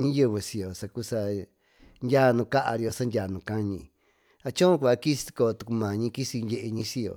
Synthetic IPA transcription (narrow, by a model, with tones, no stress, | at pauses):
ɲĩ˦jɨ˧βɨ˧si˧jo˨sa˧ku˦sa˧ | ndʲaː˦˨˧nũ˧ka˦ʔa̰˧ɾi˧o˧sa˦ndʲa˨nũ˨kã˦ɲĩ˧ | a˧t͡ʃõ˦kʷa˧ki˦si̥˧ko˧˨˧t̪u˧ku˧mã˨ɲĩ˧ki˦si˧ndʲe˧ʔe˧ɲĩ˧si˧jo̰˨